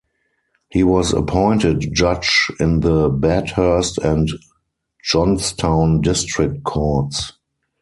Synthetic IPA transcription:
hiːwɔzə̰pʰɔ̃ɪ̃ntɪtd͡ʒad͡ʒɪ̃nðəbɛthɜ˞stɛ̃nt | d͡ʒɔ̃nstʰãʊ̃ndɪstɹɪk̚t̚kʰɔts

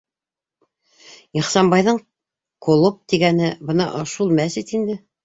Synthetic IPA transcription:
iχsɑmbɑjðɤɴ | kŏlˠop̚t̪iɡænɘbɤnɑʔoʃulˠmæsit̪ind̪ɘ

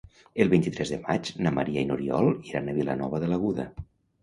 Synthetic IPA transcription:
əlˠβint̪it̪ɾɛzðəmad͡ʒnamə̰ɾiainuɾiɔ̰lˠiɾanəβilənɔβəðələɣuðə

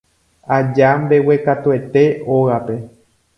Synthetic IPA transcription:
ad͡ʒambe̞we̞kat̪ue̞t̪e̞oɣape̞

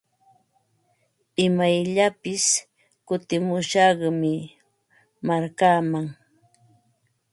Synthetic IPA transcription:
ɪmajʎapɪs | kʊt̪ɪmʊʃɑɢmɪ | maɾkaːmaŋ

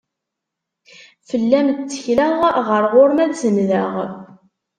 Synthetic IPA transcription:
fəlːæmt͡s̪ːə̥çləʁʁəɾʁoɾmæðzənðəʁ

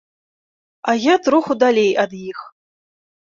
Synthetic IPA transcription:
ajat̪ɾuxud̪alʲejad̪jix

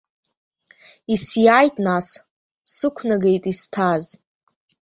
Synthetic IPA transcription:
isjajtʼnas | sɨkʷʰnaɡe̞jtʼistʰaz

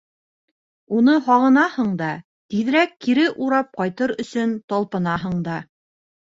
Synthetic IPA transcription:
un̪ɤɦɑʁɤ̆nɑhɤɴd̪ɑ | t̪ið̆ɾækːiɾɘʔuɾɑp̚qɑjt̪ɤɾɵ̆sɵnt̪ɑlˠpɤ̆nɑɦɤɴd̪ɑ

